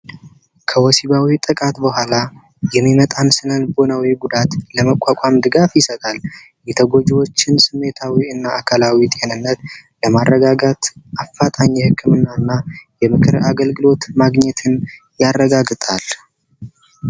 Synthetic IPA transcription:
kʰəwɔsiβawit̪ʼɨkʼat̪bəhʷala | jɛmːimət̪ʼansɨnənbo̞nawiɡud̪at̪ləməkʼakʷʼamd̪ɨɡafjɪsət̪ʼal | jɛt̪ʰəɡo̞d͡ʒɛwo̞t͡ʃːɪnsɨmːe̞t̪ʰawiɨnːaːkʰalawit̪ʼe̞nɨnːət̪ləmarːəɡaɡat̪ʔafːat̪ʼaɲːɛhɨkʰːɨmɨnːaɨnːajɛmɨkʰɨɾaɡəlɡɨlo̞t̪maɡɲɛt̪ʰɨn | jarːəɡaɡt̪ʼal

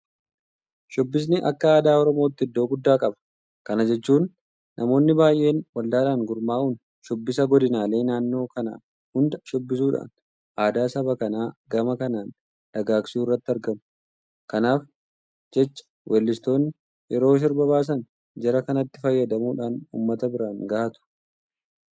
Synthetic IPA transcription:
ʃɔbːɪs̬nɪʔɐkːɐaːd̪aːɔɾɔmo̞ːt̪ːɪɪd̪ːo̞ːɡʊd̪ːaːkʼɐbɐ̥ | kɐnɐd͡ʒɛt͡ʃːuːnː | ʔɐmo̞ːnːɪbaːjʔe̞ːnwɐld̪aːᶑaŋɡʊɾmaːʔun | ʃɔbːɪsɐɡɔd̪ɪnaːle̞ːnaːnːo̞ːkɐna̰ː | hʊnd̪ɐʃɔbːɪsuːᶑa̰ːn | ʔaːd̪aːsɐβɐkɐnaːɡɐmɐkɐnaːn | ᶑɐɡaːksɪuːɪrːɐt̪ːɪɐɾɡɐm | kɐnaːf | d͡ʒɛt͡ʃːɐ̥wʔɛlːɪst̪o̞ːnɪ | jɛɾo̞ːʃ̬ɪɾbɐβaːs̬ɐn | d͡ʒɛɾɐkɐnɐt̪ːɪfɐjːɐd̪ɐmuːᶑaːnṵːmːɐt̪ɐbɪɾanɡaːʔɐt̪ʊ̥

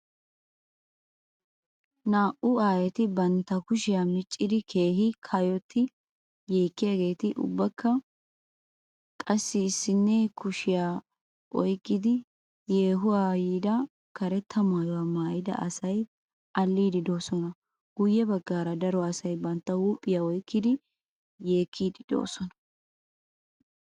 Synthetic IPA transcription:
naːʔʊaːjɛt̪ɪbɐnt̪ːɐkʊʃɪjaːmɪt͡ʃʼːɪd̪ɪkʰe̞ːɦɪkʰajɔt̪ʰːɪ | jeːkːɪjaːɡe̞ːt̪ɪʔʊ̰bːɐkːɐ | kʼɐsːɪːsːɪnːɛkʊʃɪjaː | ʔɔjkːɪd̪ɪ | je̞ːɦʊwaːjiːd̪ɐ | kɐɾɛt̪ʰːɐmaːjɔwamaːjɪd̪ɐ̰ʔɐsɐj | ʔɐlːiːd̪ɪd̪o̞ːsɔnɐ | ɡ̥ʊjːɛbɐɡːaːɾɐd̪ɐɾɔɐsɐjbɐnt̪ːɐwuːpʼːɪjaɔjkːɪd̪ɪ | je̞ːkʰːiːd̪ɪd̪̥o̰ːsɔnɐ̥

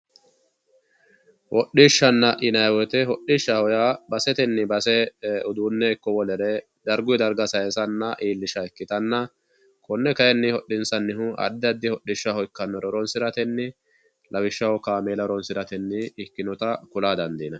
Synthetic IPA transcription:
wʔɔɗiʃːɐnːɐʔɪnɐjwɔt̪ɛɦɔɗɪʃːɐhɔjabɐsɛt̪ɛnːɪbɐsɛɔd̪uːnːɛkːɔwɔlɛɾɛ | d̪ɐɾɡʊjd̪ɐɾɡɐsɐjɛsɐnːɐʔiːlːɪʃɐɛkːɪt̪ɐnːɐ | kɔnːɛkɐɛnːɪhɔɗɪnsɐnːɪɦʊɐ̰d̪ːɐd̪ːɪhɔɗːɪʃːahɔjkːɐnːɔɾɔɾɔnsɪɾɐt̪ɛnːɪ | lʔɐwɪʃːɐwkaːmeːlɐɾɔnsɪɾɐt̪ɛnːɪːkːɪnɔt̪ɐkʊlaːd̪ɐnd̪iːnɐ

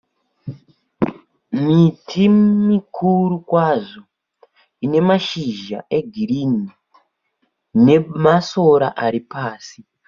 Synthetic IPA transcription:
mitʰimmikʰurukwaːʐo̞ | ine̞maʃiʒa̰ʔe̞ɡʱiɾini | ne̞maso̞ɾa̰ʔaɾipaːsi

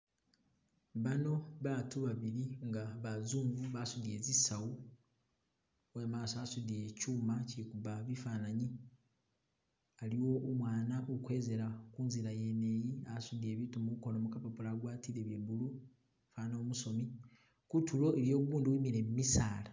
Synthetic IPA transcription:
βano̞βatuβaβiɾiŋɡaβazuːɱvuβasudie̞ːzisawu | wemaːsoasudiecuːmacikuβaβifanaɲi | aliwo̞ʔomwaːnaʔokwe̞ːze̞ɾakuːnziɾaje̞nejiasudie̞ːβiːtumuko̞nomukapapulaɡwaːtiɾeβjeβulu | faːnaomuso̞mi | kutulo̞eβjo̞ːβuβuːnduwiːmiɾe̞mumisaːla

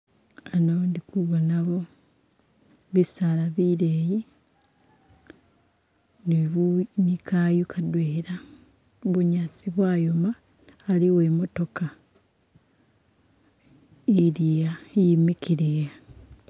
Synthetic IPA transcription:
anondikuβonaβo̞ | βisalaβiɾeːji | niβunikajukʰadweːɾa | βuɲat͡siβwaːjomaː | liwemo̞to̞ka | iɾijajimikiɾija

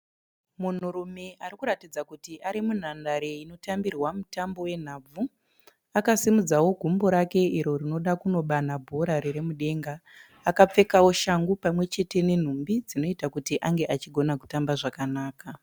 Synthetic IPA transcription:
mun̤uɾume̞ʔaɾikuɾatid͡zakutiʔaɾimun̤andaɾeino̞tambirwamutambo̞we̞n̤aːb͡vu | akasimud͡zawo̞ɡʱumbo̞ɾake̞iɾo̞ɾino̞ɗakuno̞ɓanabʱoɾaɾeɾe̞muɗe̞ŋɡaː | kap͡fe̞kawo̞ʃaŋɡupamwe̞t͡ʃe̞te̞ne̞n̤umbid͡zino̞itakutiʔaŋɡe̞ʔat͡ʃiɡʱo̞naku̥tambaʐakanaːka

